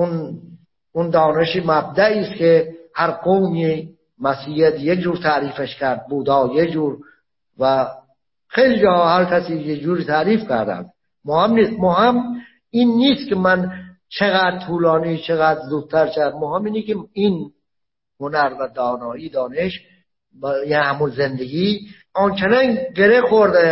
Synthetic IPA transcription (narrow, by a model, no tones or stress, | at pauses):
un | und̪ɒːne̞ʃiːmæb̚d̪æʔiːst̪kʰehæɾqowni | mæsiːjæt̪ʰjekd͡ʒuːɾt̪ʰæʔɾiːfeʃkʲʰæɾd̪̚buːd̪ɒːjed͡ʒuːɾ | væ | xejlid͡ʒɒːhɒːhæɾkʲʰæsiːjed͡ʒuːɾiːt̪ʰæːɾiːfkʰæɾd̪æ̰nd̪ | mohemniːst̪mohem | iːnːiːst̪kʰʲemæn | t͡ʃʰeɣæːd̪̚t̪ʰuːlɒːniːt͡ʃʰeɣæːd̪ɾzuːd̪̚t̪ʰːæɾt͡ʃʰæd̪mohemiːnikein | honæɾvæd̪ɒːnɒːiːd̪ɒːneʃ | jænhæmunzend̪eɡiː | ont͡ʃʰenæŋɡeɾexoɾd̪e